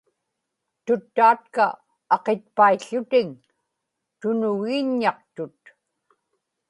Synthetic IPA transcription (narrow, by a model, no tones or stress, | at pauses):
t̪ʊt̪ːaːt̪̚ka | ɑqet̪̚paiɬːʊt̪ɪŋ | t̪ʊnʊɣiːɲːɑq̚t̪ʊt̪̚